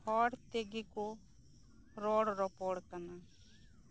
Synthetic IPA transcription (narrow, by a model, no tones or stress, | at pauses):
hɔːɽt̪eɡiko | ɾoːɽɾɔpoːɽkɐna